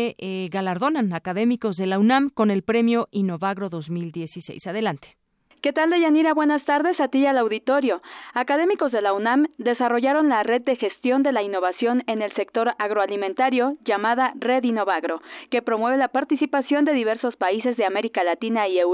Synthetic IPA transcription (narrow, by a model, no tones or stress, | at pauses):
eɣalaɾðo̞nanakaðe̞miko̞zðe̞launãmko̞ne̞lpɾe̞mjo̞ʔino̞βaɣɾo̞ðo̞zmild̪je̞sisḛjsaðe̞lant̪e̥ | ke̞t̪ald̪eʝaniɾaβwe̞nast̪aɾðe̞sat̪ialawðit̪o̞ɾjo̞akað̞e̞miko̞zðe̞launamd̪e̞saro̞ʝaɾo̞nlare̞d̪̚ːe̞xe̞st̪jo̞nd̪e̞lainːo̞β̞asjo̞ne̞ne̞lse̞k̚t̪o̞ɾaɣɾo̞alimẽ̞nt̪aɾjo̞ʝamaðare̞ðino̞βaɣɾo̞ke̞pɾo̞mwe̞βe̞lapaɾt̪isipasjo̞nd̪e̞ðiβe̞ɾso̞spaise̞zðe̞ame̞ɾikalat̪inaiew